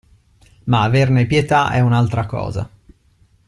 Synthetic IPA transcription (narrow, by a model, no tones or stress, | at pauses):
maːvernepjet̪aʔɛunalt̪ɾakɔ̰ːza̰